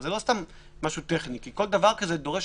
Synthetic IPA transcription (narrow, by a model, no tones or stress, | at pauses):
zelo̞st̪amː | aʃut̪eχnikiko̞ld̪avaʁkaze̞d̪o̞ʁe̞ʃ